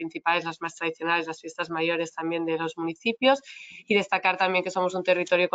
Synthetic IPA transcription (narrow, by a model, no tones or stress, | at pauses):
pɾin̟θipale̞zlazmast̪ɾað̞iθjo̞nale̞zlasfje̞st̪azmajo̞ɾe̞st̪ambje̞nd̪elo̞zmuniθipjo̞siðe̞st̪akaɾt̪ambjeŋke̞so̞mosunt̪e̞rit̪o̞ɾjok